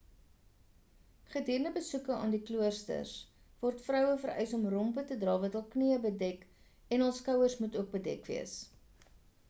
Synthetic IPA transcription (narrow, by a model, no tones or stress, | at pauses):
χədiːɾəndəbəsukəɑ̰ːndikluərstə̰rs | vɔrtfrœwəfəɾʔœ̰jsɔmrɔmpətədrɑːvɐtɦəlˠkniəbədɛk | ɛnəlˠskɐwərsmutuək̚bədɛ̰kvḭəs